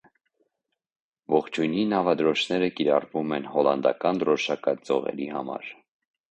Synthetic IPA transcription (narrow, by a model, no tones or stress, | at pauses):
vɔχt͡ʃʰujninɑvɑd̪ɾɔt͡ʃʰnɛɾəkiɾɑrvumɛnhɔlɑnd̪ɑ̰kɑnd̪ɾɔʃɑkɑd͡zɔʁɛ̰ɾihɑmɑ̰ɾ